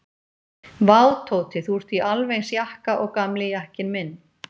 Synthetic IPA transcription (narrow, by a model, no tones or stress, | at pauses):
vaːwt̪ʰowt̪ɪθur̥t̪iʔalvejnsjahkaʔɔɣkamlɪjahcɪnmɪnː